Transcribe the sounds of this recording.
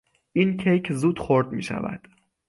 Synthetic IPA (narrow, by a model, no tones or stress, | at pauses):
ʔiːncʰejcʰzuːd̪̥xoɾd̪mḭːʃæ̰væ̰d̪̥